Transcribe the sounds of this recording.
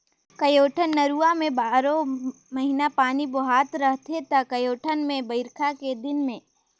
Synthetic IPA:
kɐjoːʈʰənːɐɾuːamẽbaːɾõ | mɐɦinapaːnibʊɦaːt̪ɾɐɦt̪et̪ɐkɐjoːʈʰənmẽbɐɪɾkʰaked̪ɪnmẽː

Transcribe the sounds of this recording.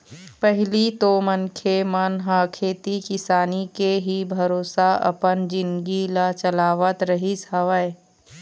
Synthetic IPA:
pɛɦlit̪omənkʰemənɦakʰeːt̪ikɪsaːnikeɦibʱɐɾoːsaɐ̰pənd͡ʒɪ̃nɡilat͡ʃəlaːʋət̪ɾəɦisɐʋəe

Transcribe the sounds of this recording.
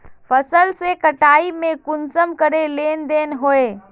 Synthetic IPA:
pʰəsəlsekəʈaːimẽkʊnsəmkəɾeleːnd̪eːnɦoːeː

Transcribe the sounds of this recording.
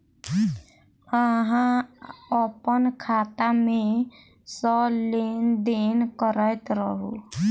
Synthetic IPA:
əɦãəpənkʰaːt̪amẽ | sɔlend̪enkəɾəjt̪ɾəɦṵ

